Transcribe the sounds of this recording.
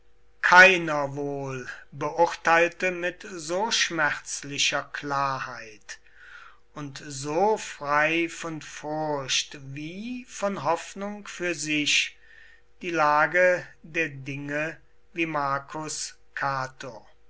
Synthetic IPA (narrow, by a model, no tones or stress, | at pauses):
kʰaɪnɐvoːlbəʔʊɐtaɪltəmɪtzoːʃmɛʁt͡slɪʃɐklaːɐhaɪt | ʊntzoːfʁ̥aɪfɔnfʊɐʃtviːfɔnɦɔfnʊŋkfyːɐzɪʃ | d̥iːlaːɡədeːɐdɪŋə | viːmaɐkʰʊs | kʰaːtʰo